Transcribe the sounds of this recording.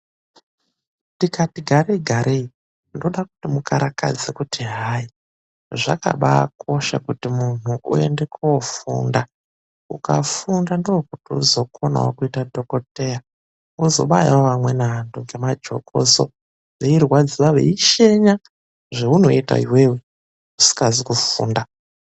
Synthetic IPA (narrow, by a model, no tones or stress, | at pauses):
tikatiɡʱaɾeiɡʱaɾʔei | ndo̞ɗakutimukʰaɾaka̰d͡zekutʰiɦai | ʐa̰ka̰ɓakʰo̞ʃa̰kutimun̤uʔṵe̞̰ndekuwofṵːnda | ukafundandiwokutiuzo̞kʰona̰wo̰kuitadʱo̞kote̞ja | uzo̞̰ɓajwoʋamwe̞naɦantuŋɡe̞mad͡ʒo̞̰kʰo̰so̰ | ʋeirwad͡ziʋaʋe̞̰iʃe̞ɲa | ʐeuno̞ita̰iweːwe | usi̥kazikufṵːnda